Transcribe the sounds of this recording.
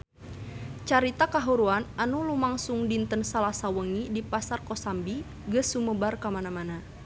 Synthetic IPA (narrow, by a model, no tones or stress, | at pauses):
t͡ʃaɾit̪akaɦuɾuananulumaŋsuŋdint̪ənsalasawəŋidipasarkɔsambi | ɡəsuməbarkamanamana